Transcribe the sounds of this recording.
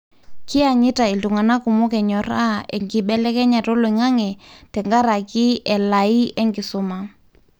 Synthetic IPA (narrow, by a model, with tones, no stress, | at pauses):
kɪ˦a˨ɲɪ˦ta˨i˨tu˨ŋa˨na˦ku˨mo˦kɛ˨ɲɔ˨ɾa˦ɛ˨ŋɡɪ˨ɓɛ˦lɛ˦kɛ˦ɲa˨tɔ˦lɔ˨i˨ŋa˦ŋɛ˨tɛ˨ŋɡa˦ɾa˨kɪ˦ɛ˨la˨i˦ɛ˦ŋɡɪ˨sʊ˦ma˦